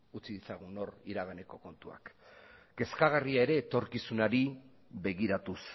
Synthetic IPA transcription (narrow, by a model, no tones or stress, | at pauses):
ut͡siðit͡saɣ̞uno̞riɾaɣ̞ane̞ko̞ko̞nt̪ua̰kɡ̥e̞skaɣ̞ariae̞ɾe̞ːt̪o̞ɾkisunaɾi | βe̞ɣ̞iɾat̪us